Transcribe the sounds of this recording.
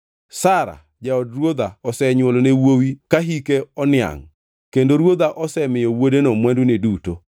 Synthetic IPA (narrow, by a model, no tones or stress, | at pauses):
saɾa̰ | d͡ʒaɔdrwod̪aɔsɛɲwolɔnewowikaɦikeɔnɪa̰ŋ | kendoɾwod̪aʔɔsɛmɪjɔwodenɔmwanduneduto